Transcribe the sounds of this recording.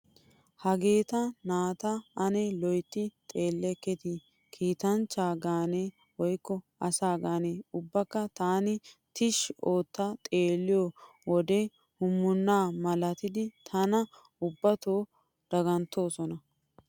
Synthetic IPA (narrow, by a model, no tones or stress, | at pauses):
hɐɡe̞ːt̪ɐnaːt̪ɐɐnelɔjt̪ːɪt̪ʼe̞ːlːɛkːɛt̪ɪ | kʰiːt̪ɐnt͡ʃːaːɡaːneː | wɔjkːɔ | ɐsaːɡaːneːʊbːɐkːɐt̪aːnɪt̪ɪʃoːt̪ːɐt̪ʼeːlːɪjo | wɔd̪ɛ | hʊmːʊnːaːmɐlɐt̪ɪd̪ɪt̪ʰɐnɐ | ʊbːɐt̪oː | d̪̥ɐɡɐnt̪ːo̞ːsɔnɐ